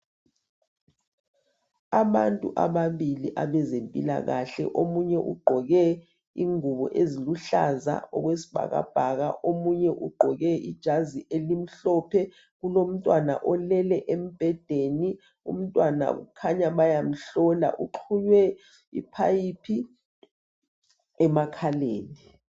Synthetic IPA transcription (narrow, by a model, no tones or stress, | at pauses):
aβantʼṵʔa̰βaβiliʔaβɛzempʼila̰ɣaɬɛ̰ʔomuɲɛʔṵɡ͡ǃʱɔɣɛ | iŋuβɔ̰ʔeziluɬa̰za̰ɔɣwesi̥b̥ʱa̰ɣa̰b̥ʱaɣa̰ʔomuɲɛʔuɡ͡ǃʱɔɣɛʔid̥ʒ̥ʱaziʔelim̩ɬɔpʰɛ | ɣulom̩tʼwana̰ʔɔlɛlɛʔem̩b̥ʱɛd̥ʱeːni | ṵm̩tʼwana̰ɣṵkʰaɲaβajam̩ɬɔla̰ʔuǃʰuɲwɛ | ḭpʰajipʰi | ɛmakʰaleːni